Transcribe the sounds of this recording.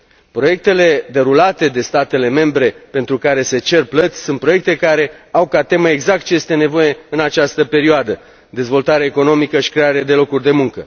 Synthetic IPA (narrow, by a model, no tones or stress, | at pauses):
pɾo̞je̞k̚t̪e̞le̞d̪e̞ɾulat̪e̞d̪e̞st̪at̪e̞le̞me̞mbɾe̞pe̞nt̪ɾukaɾe̞se̞t͡ʃe̞rplət̪sʲsunt̪pɾo̞jek̚t̪e̞kaɾe̞awkat̪e̞məeɡzak̚t̪̚t͡ʃe̞je̞st̪e̞ne̞vo̞je̞ɨnat͡ʃast̪əpe̞ɾioad̪ə | d̪e̞zvo̞lt̪aɾeeeko̞no̞mikəʃi̥kɾe̞aɾed̪e̞lo̞kurʲd̪e̞muŋkə